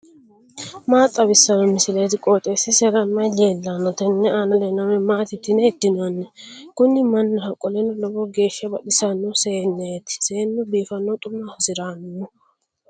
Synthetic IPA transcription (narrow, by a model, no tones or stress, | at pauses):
maːt̪ʼːɐbɪsːɐnɔmɪsɪlɐjt̪ɪkʼoːt̪ʼeːsɪsɛɾɐmːɐjleːlːanːɔt̪ɛnːɛaːnɐlɛnɐmɛmaːt̪ɪt̪ːɪnɛɛd̪ːɪnanːɛkʊnːɪmɐnːɐhɐkʼːɔlɛnːɔlɔbɔɡe̞ːʃɐbɐɗɪsɐnːɔseːnːɛt̪ɪ̥seːnːɔbiːfɐnːɔt̪ʼʊmːahʊsɪɾaːnʊ